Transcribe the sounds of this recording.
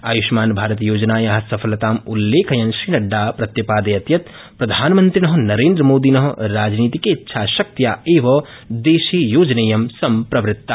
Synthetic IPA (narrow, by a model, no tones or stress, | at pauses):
aːjuʃmaːnbʱaːɾɐt̪joːd͡ʒnaːjɐɦɐsɐpʰɐlɐt̪aːmulːeːkʰɐjɐnʃɾiːnɐɖːaːpɾɐt̪jɐpaːd̪ɐjɐt̪jɐt̪ | pɾɐd̪ʱaːnmɐnt̪ɾinɐɦɐnɐɾeːnd̪ɾɐmoːd̪inɐɦɐɾaːd͡ʒniːt̪ikeitːʃʰaːʃɐk̚t̪jaeːʋɐ | d̪eːʃijoːd͡ʒɐnejɐmsɐmpɾɐʋɾɪt̪ːa